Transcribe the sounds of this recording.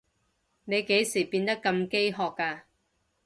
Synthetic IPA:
ne˨˧jke˨˥jsiː˨˩piː˧nt̪ɐ˥kːɐ˧mke˥jɦɔː˨kːaː˧

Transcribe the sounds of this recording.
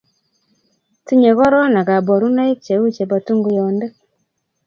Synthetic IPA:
ti˦ɲe˨ɣɔ˦ɾɔ˦na˨ka˨bo˨ɾu˦na˦i˦kt͡ʃe˨u˦t͡ʃe˨ba˨tu˦ŋɡu˨jɔ˨nde˦

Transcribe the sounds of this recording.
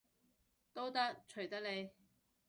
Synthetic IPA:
t̪o˥wt̪ɐ˥k̚t͡ʃʰɵ˨˩ɥt̪ɐ˥k̚le˨˧j

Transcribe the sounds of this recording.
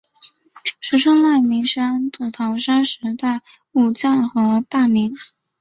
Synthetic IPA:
ʂɻ̩˧˥ʈ͡ʂʰɤ˥ŋma˥˩ɪmi˧˥ŋʂa˥nt̪u˨˩t̪ʰɑ˧˥ʊʂa˥nʂɻ̩˧˥t̪a˥˩ɪ | u˨˩t͡sa˥˩nxɤ˧˥t̪a˥˩mi˧˥ŋ

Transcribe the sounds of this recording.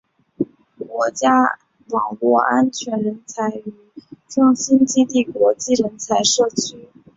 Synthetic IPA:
kwɔ˧˥t͡ɕja˥ | wɑ˨˩ŋlwɔ˥˩ʔa˥nt͡ɕʰɥɛ˧˥nɻə˧˥nt͡sʰa˧˥ɪy˧˩ʈ͡ʂɤ˥˩ŋɕi˥nt͡ɕi˥t̪i˥˩kwɔ˧˥t͡ɕi˥˩ɻə˧˥nt͡sʰa˧˥ɪʂɤ˥˩t͡ɕʰy˥

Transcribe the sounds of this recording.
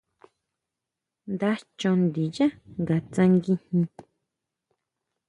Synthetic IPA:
nd̪a˧t͡ʃõ˧nd̪i˨ja˦ŋɡa˨t͡sã˧ŋɡi˧hĩ˧

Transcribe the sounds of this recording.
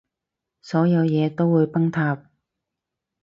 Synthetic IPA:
sɔː˨˥jɐ˨˧wjɛː˨˧t̪o˥wːuː˨˧jpɐ˥ŋt̪ʰaː˧p̚

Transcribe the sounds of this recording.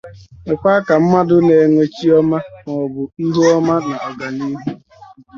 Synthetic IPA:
me˨kʷa˦ka˨m̩˦ma˦dʊ˦ne˨ŋʷe˨t͡ʃi˦ɔ˦ma˦mɔ˨bʊ˨i˦ɦu˦ɔ˦ma˦na˨ɔ˨ɡa˨ni˦ɦu˦

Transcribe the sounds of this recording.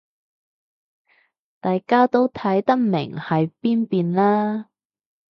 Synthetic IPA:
t̪aː˨jkaː˥t̪o˥wt̪ʰɐ˨˥jt̪ɐ˥k̚mɪ̰˨˩ŋhɐ˨jpiː˥npiː˧nlaː˥

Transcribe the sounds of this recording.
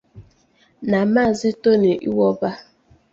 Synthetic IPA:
na˨maː˦˨zɪ˦to˦ne˨ʔḭ˦wɔ˦ba˦

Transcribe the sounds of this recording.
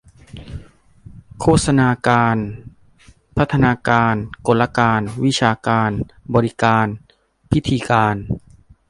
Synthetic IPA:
kʰoː˥˩t̪sa˧naː˧kaː˧n | pʰa˦˥t̪ʰːa˧naː˧kaː˧nko˨˩nla˧kaː˧nwi˦˥t͡ɕʰaː˧kaː˧n | bɔː˧ɾi˦˥kaː˧n | pʰi˦˥t̪ʰiː˧kaː˧n

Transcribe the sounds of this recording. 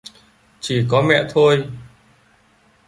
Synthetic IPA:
t͡ɕi˨˩kɔ˨˦mɛ̰˧˨t̪ʰo˧j

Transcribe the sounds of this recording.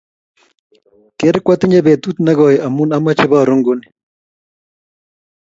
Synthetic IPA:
ke˦ɾkwa˦t̪ɪ˦ɲe˦be˨t̪u˦t̪na˦ɡɔ˨jɪʔa˨mu˦na˦ma˦t͡ʃɪ˦ba˦˨ɾʊ˦ŋɡu˦nɪ

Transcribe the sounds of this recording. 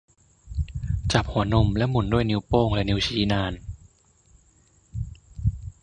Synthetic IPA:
t͡ɕa˨˩p̚hu˩˦ɐno˧mlɛ˦˥ʔmu˩˦ndu˥˩əjniː˧˥wpoː˥˩ŋlɛ˦˥ʔniː˧˦˥t͡ɕʰiː˦˥naː˧n

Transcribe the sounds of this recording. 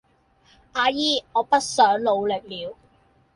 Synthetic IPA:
aː˨˧jiː˥ŋɔː˨˧pɐ˥t̚sœː˨˥ŋlo˨˧wlɪ˨k̚liː˨˧w

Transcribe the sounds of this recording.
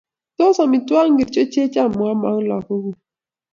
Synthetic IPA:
to˦sa˨mi˨twa˦ŋ˦ɡe˨t͡ʃo˦t͡ʃe˦t͡ʃa˦˨mu˨a˦ma˦ŋ˦la˨ko˦ɣu˨

